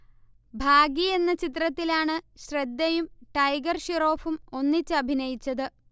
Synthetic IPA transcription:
bʱaːɡie̞nːɐt͡ɕit̪rɐt̪ːilaːɳɨɕrɐd̪ːɐjumʈɐjɡɐrɕiro̞ːfumo̞nːit͡ɕːɨɐbʱinɐjit͡ɕːɐðɨ

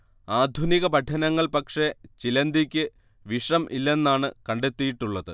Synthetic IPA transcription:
aːd̪ʱuniɣɐpɐʈʰːɐnɐŋːɐɭpɐkʂe̞t͡ɕilɐnd̪ikʲːɨ | ʋiʂɐmʔḭlːe̞nːaːɳɨkɐɳɖe̞t̪ːijiʈːuɭːɐðɨ

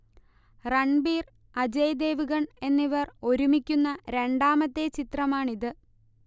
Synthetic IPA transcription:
rɐɳbiːr | ɐd͡ʑɐjd̪e̞ːʋuɣɐɳe̞nːiʋɐro̞ɾumikʲːunːɐɾe̞ɳɖaːmɐt̪ːe̞t͡ɕit̪rɐmaːɳiðɨ

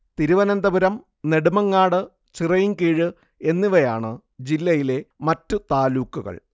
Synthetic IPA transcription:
t̪iɾuʋɐnɐnd̪ɐbuɾɐm | ne̞ɽumɐŋːaːɽɨ | t͡ɕirɐjiŋkiːɻɨ | e̞nːiʋɐjaːɳɨ | d͡ʑilːɐjile̞mɐtːɨt̪aːluːkːuɣɐ̰ɭ

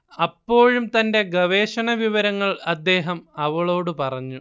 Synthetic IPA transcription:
ɐpːo̞ːɻumt̪ɐnde̞ɡɐʋe̞ːɕɐɳɐʋiʋɐɾɐŋːɐɭɐd̪ːe̞ːɦɐmɐʋɐɭo̞ːɽɨpɐrɐɲːu

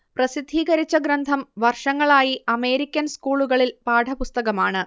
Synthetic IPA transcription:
prɐsid̪ʱːiːɣɐɾit͡ɕːɐɡɾɐnd̪ʱɐmʋɐrʂɐŋːɐɭaːjiɐme̞ːɾikʲːɐnskuːɭuɣɐɭilpaːɖʱɐpust̪ɐɣɐmaːɳɨ

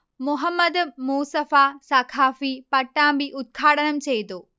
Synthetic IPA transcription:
mʊɦəmːəd̪muːsəfasaːkʰaːfipɐʈːãbɪʔʊt̪̚kʰaːɽənəmɪ̆t͡ɕɐid̪oː

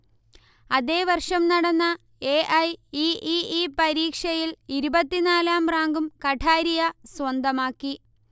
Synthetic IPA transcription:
ɐðe̞ːʋɐrʂɐmnɐɽɐnːɐ | eːʔɐjiːʔiiːpɐɾiːkʂɐjiliɾubɐt̪ːinaːlaːmraːŋɡumkɐʈʰaːɾijɐswɐnd̪ɐmaːkːi

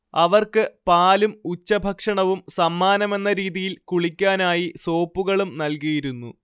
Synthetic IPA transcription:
ɐʋɐrkɨpaːlumut͡ɕːɐbʱɐkʂɐɳɐʋumsɐmːaːnɐme̞nːɐɾiːðijilkuɭikʲːaːnaːjiso̞ːpːuɣɐɭumnɐlkijiɾunːṵ

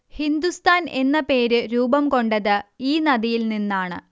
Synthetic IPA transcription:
hind̪ust̪ʰaːne̞nːɐpe̞ːɾɨɾuːbɐmko̞ɳɖɐðɨiːnɐðijilninːaːɳɨ̰

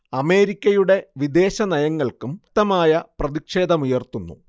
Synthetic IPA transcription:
ɐme̞ːɾikʲːɐjuɽe̞ʋid̪e̞ːɕɐnɐjɐŋːɐɭkumt̪ːɐmaːjɐprɐðikʂe̞ːd̪ɐmujɐrt̪unːṵ

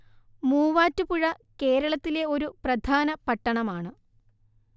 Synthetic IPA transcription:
muːʋaːtːupuɻɐke̞ːɾɐɭɐt̪ːile̞o̞ɾuprɐd̪ʱaːnɐpɐʈːɐɳɐmaːɳɨ

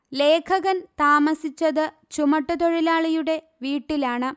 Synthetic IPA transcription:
le̞ːkʰɐɣɐnt̪aːmɐsit͡ɕːɐðɨ | t͡ɕumɐʈːɐt̪o̞ɻilaːɭijuɽe̞ | ʋiːʈːilaːɳɨ

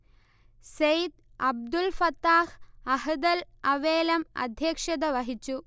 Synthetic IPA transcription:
sejt̪ | ɐb̚d̪ulfɐt̪ːaːhɐhɐd̪ɐlɐʋeːlɐmɐ̰d̪ʱjɐːkʂɐd̪ɐʋɐɦit͡ɕːu

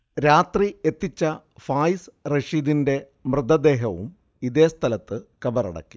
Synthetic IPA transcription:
ɾaːt̪rie̞t̪ːit͡ɕːɐ | faːjsreʂiːðinde̞ | mrɨd̪ɐd̪e̞ːɦɐʋum | iðe̞ːst̪ʰɐlɐt̪ːɨkɐbɐrɐ̰ɽɐ̰kːi̥

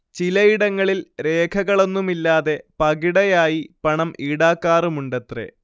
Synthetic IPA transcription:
t͡ɕilɐjiɽɐŋːɐɭilɾe̞ːkʰɐɣɐɭo̞nːumilːaːðe̞pɐɣiɽɐjaːjipɐɳɐmʔiːɽaːkːaːrumuɳɖet̪rḛ

